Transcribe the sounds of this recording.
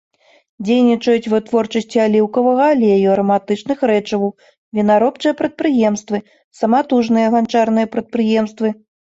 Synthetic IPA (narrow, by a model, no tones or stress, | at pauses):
d͡zʲejnʲit͡ʂɐjut͡sʲvɨt̪vɔrt͡ʂɐsʲt͡sʲialʲiwkɐvɐɣɐlʲeajuɐɾɐmat̪ɨt͡ʂnɨxɾɛt͡ʂɐww | vʲinaɾɔpt͡ʂɨjɐpɾɐt̪̚pɾɨjɛmst̪vɨ | sɐmat̪uʐnɨjɐɣant͡ʂarnɨjɐpɾɐt̪̚pɾɨjɛmst̪vɨ